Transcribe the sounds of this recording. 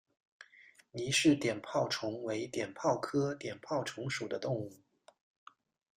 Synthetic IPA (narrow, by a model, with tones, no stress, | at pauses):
ni˨˧˩ʂɻ̩˥˩t̪jɛ˨˩npʰɑ˥˩ʊʈ͡ʂʰʊ˧˥ŋwe˧˥ɪt̪jɛ˨˩npʰɑ˥˩ʊkʰɤ˥t̪jɛ˨˩npʰɑ˥˩ʊʈ͡ʂʰʊ˧˥ŋʂu˨˩d̪ə˦t̪ʊ˥˧ŋu˥˩